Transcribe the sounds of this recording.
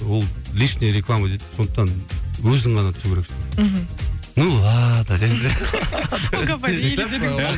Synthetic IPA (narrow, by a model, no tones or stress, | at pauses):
wolˠlʲiʃneɾeklˠamad̪et̪ːso̞nd̪ə̥qt̪ɑnwɵzɪŋʁɑnɑt̪ʰʏ̥zukʰʲeɾekse | nulˠad̪ɑd͡ʒezɾ